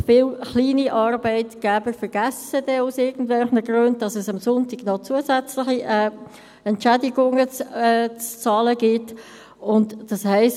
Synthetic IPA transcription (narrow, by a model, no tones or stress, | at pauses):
fɪlχliːniʔɑɾbɛɪtɡ̥ɛbəɾfəɾɡ̥æsədɛusɪɡən̩dvɛlχnəɡɾønd̚d̥ɑsɛsɑmsʊntɪɡ̥nɔt͡suəsɛt͡slɪχiʔɛ | ɛntt͡ʃædiɡʊŋət͡st͡st͡sɑːləɡ̥ɪt | ʊntd̥ɑshæɪs